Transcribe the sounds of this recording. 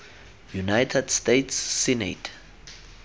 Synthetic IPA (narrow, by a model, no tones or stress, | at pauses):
junajtʰɛdstetʰsːɛnḛtʰ